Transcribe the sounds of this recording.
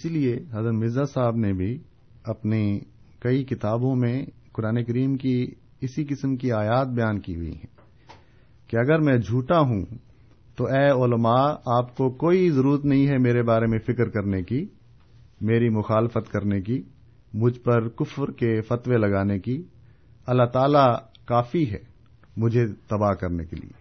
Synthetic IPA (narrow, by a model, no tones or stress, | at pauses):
ɪsilieɦɐzəɾmɪzasaːbnebʱi | ɐpne | kɐikɪt̪aːbõmẽkʊɾaːnekɐɾiːmki | ɪsikɪsəmkiaːjaːt̪̚bɐjaːnkiɦʊ̰ḭɦɛ̰̃ː | keɐɡəɾmɛ̃d͡ʒʱuːʈaɦũ | t̪oɛːʊləmaːaːpkokoːizɐɾuːɾət̪nɐɦĩɦɛmeːɾebaːɾemẽfɪkɾkɐɾneki | meːɾimʊxaːlɪfət̪kɐɾneki | mʊd͡ʒʱpɐɾkʊfɾkefɐt̪welɐɡaːneki | ɐlːat̪aːla | kaːfiɦɛː | mʊd͡ʒʱet̪ɐbaːɦkɐɾnekḛlḭḛː